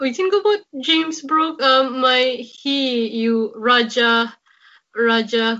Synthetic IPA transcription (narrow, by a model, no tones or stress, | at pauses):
witĩnɡobaʊt̚d͡ʒẽmsbɹukãmːaɪhijuɹad͡ʒə | ɹad͡ʒə